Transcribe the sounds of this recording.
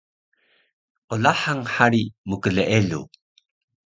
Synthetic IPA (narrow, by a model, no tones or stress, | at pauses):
ʔolaħaŋħaɾimukəɮəʔeɮṵ